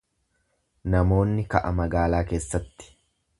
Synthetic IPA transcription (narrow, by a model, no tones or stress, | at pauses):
nɐmo̞ːnːɪkɐʔɐmɐɡaːlaːke̞ːsːɐt̪ːɪ̥